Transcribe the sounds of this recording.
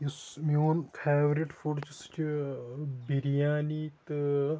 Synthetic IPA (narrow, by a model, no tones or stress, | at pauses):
jusmioːnfʰeːʋɾiʈfuɖt͡ʃist͡ʃ | biɾijaːniːt̪ɨ